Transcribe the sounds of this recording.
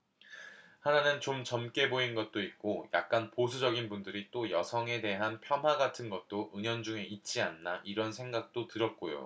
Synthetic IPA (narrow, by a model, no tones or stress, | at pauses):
hananɯnt͡ɕomt͡ɕʌmk͈e̞boinɡʌt̚t͈oit̚k͈oja̰k̚k͈anposʰud͡ʑʌɡinbundɯɾit͈ojʌsʰʌŋe̞de̞ɦanpʰjʌmɦwaɡatʰɯnɡʌt̚t͈oʔɯɲʌnd͡ʑuŋe̞it̚t͡ɕ͈ianːaʔiɾʌnsʰe̞ŋɡak̚t͈otɯɾʌt̚k͈ojo̰